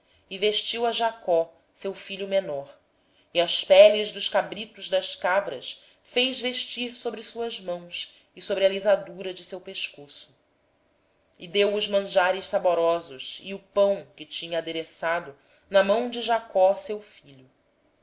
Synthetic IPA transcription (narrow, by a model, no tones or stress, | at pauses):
ɪveʃt͡ʃiwɐʒakɔ | sewfiʎʊmenɔɾ | iɐspɛliʒd̪ʊʃkabɾit̪ʊʒd̪ɐʃkabɾɐʃ | fejzveʃt͡ʃiɾsobɾɪsuɐʒmɐ̃w̃s | ɪsobɾɪɐlizad̪uɾɐd͡ʒɪsewpeʃkosʊ̥ | ɪd̪ewʊzmɐ̃ʒaɾɪʃsaboɾɔzʊʃḭʊpɐ̃w̃kɪt͡ʃĩɲɐːd̪eɾesad̪ʊ | nɐmɐ̃w̃d͡ʒɪʒakɔsewfiʎu